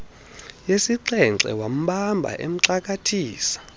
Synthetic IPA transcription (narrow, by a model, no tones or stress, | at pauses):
jesiǀɛnǀɛ̰wam̩ɓambʱa̰ʔem̩ǀak̬ʼatʰiːsḁ